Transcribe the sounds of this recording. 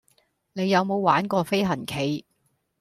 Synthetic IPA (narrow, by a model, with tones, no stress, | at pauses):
ne˨˧jːɐ˨˧wmo˨˧wwaː˨˥nkɔː˧fe˥jɦɐ˨˩nkʰe˨˥j